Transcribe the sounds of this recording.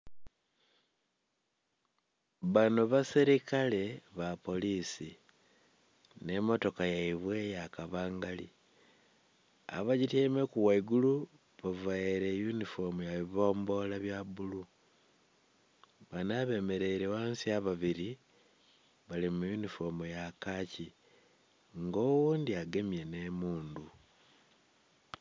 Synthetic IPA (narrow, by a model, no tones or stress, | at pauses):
βanuβasiɾikale̞βapo̞lisi | ne̞mo̞to̞kajaiβwe̞jakaβaːŋɡali | a̰βaɟitemekuwaiɡulu | βavaiɾejunifo̞mujaβiβo̞ːmbo̞laβjabulu | βanaβe̞ːme̞ɾe̞iɾewaːnsiaβaβiɾi | βalimujunifo̞mujakaci | ŋɡo̞ːwuːndiaɡe̞mje̞ne̞muːndu